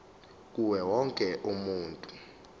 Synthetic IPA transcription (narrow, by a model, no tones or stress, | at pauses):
k̬uwɛwɔŋkʼɛʔumuːntʼu